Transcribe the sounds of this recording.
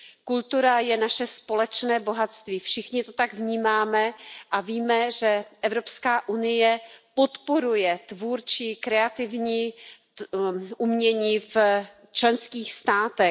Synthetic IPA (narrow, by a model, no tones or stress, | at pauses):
kult̪uɾajɛnaʃɛspo̞lɛt͡ʃnɛːbo̞ɦat̪st̪viːfʃɪxɲɪt̪ot̪aɡvɲiːmaːmɛʔaviːmɛʒɛʔɛvɾopskaːʔunɪjɛpo̞t̪poɾujɛt̪vuɾt͡ʃɪkɾɛat̪ɪvɲiː | ʔumɲɛɲiːf | t͡ʃlɛnskiːxst̪aːt̪ɛ